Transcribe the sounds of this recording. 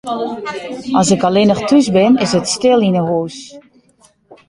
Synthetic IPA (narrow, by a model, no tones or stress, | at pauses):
ɑsɪkalɪnəxtʰysbɪnɪsətstɪlˠinəɦuːs